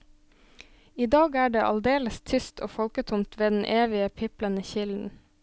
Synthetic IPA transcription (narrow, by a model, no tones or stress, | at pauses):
iːd̪ɑːɡæːɖeːʔɑld̪eːləst̪ʰʏst̪ʰo̰ːfɔlkət̪ʰʊmt̪ʋeːd̪n̩ʔeːʋɪəpʰɪplənəçɪln̩